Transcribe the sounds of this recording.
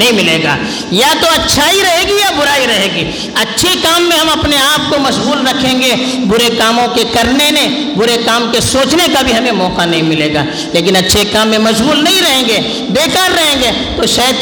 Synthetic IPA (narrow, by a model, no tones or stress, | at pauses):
ɐɦĩmɪleːɡa̰ː | jat̪oɐtːʃʰaiɾɐɦeːɡijabʊɾaːiɾɐɦeːɡiː | ɐtːʃʰekaːmːẽɦɐmɐpneaːp̚komɐʃbuːlɾɐkʰẽːŋɡe | bʊɾekaːmõkekɐɾnenẽ | bʊɾekaːmkesoːt͡ʃnekabʱiɦɐmemɔːkanɐɦĩmɪleːɡa̰ː | leːk̬ɪnɐtːʃʰekaːmːẽmɐʃbuːlnɐɦĩɾɐɦẽːŋɡeː | b̪eːkʰaɾːɐɦẽːŋɡeː | t̪oʃaːd̪̚